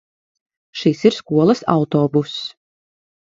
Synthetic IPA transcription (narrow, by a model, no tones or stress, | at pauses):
ʃisiɾskuɔlˠɐsa̰wt̪ɔːbus